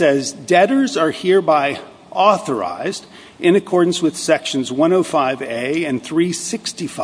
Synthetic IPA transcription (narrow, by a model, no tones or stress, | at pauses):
sɛzdɛɾə˞zə˞hiɹbaɪ | ʔɔθə˞a̰ɪzd | ʔɨ̃nɨkʰɔɹdⁿn̩swɨð̥sɛkʃɨ̃nzwʌ̃ñoʊfaɪveɪɨ̃nθɹisɪkstif